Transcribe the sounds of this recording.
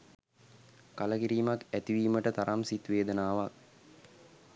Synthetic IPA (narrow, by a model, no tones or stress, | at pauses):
kaləkiɾiːmakæt̪iʋiːməʈət̪aɾamsit̪ʋeːd̪ənaːʋak